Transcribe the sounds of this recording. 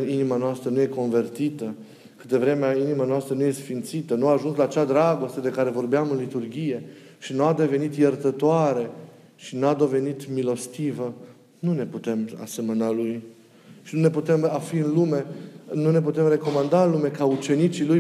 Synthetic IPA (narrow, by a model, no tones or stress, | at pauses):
inimanoast̪ɾənuje̞ko̞nve̞rt̪it̪ə | kɨt̪evɾe̞meainimanoast̪ɾənuje̞sfint̪sit̪ənuaːʒunslaːt͡ʃad̪ɾaɡo̞st̪ed̪e̞kaɾe̞vo̞rbeamɨnlit̪urɡʲije̞ | ʃinuad̪eve̞nit̪jert̪ət̪oaɾe̞ | ʃinad̪o̞ve̞nit̪milo̞st̪ivə | nune̞put̪e̞ma̰se̞mənaluj | ʃinune̞put̪e̞mafiɨnlume̞nune̞p̬ut̪e̞mre̞ko̞mand̪aɨnlume̞kaut͡ʃe̞nit͡ʃiluj